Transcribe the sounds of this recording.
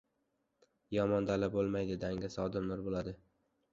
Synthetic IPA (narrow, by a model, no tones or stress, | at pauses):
jɒmɒnd̪alabolˠmajd̪ɪd̪aŋɡʲasɒd̪ɪmnʊɾbolad̪ɪ